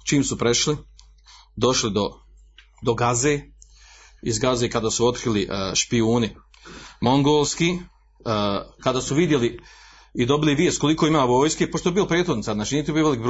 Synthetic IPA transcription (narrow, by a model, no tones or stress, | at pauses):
t͡ʃiːmsupɾe̞ʃli | d̪o̞ʃlid̪o | d̪o̞ɡaze̞ː | izɡazekad̪aːsuo̞t̪kɾiliʔʃpiuːni | mo̞ŋɡoːlˠskiː | kad̪aːsuʋid̪je̞li | id̪o̞biliʋiest̪̚ko̞likoimaːʋoːjskepoʃt̪oebiːlopɾjet̪xod̪nit̪aznaːt͡ʃiːniːt̪ibioʋelikbɾ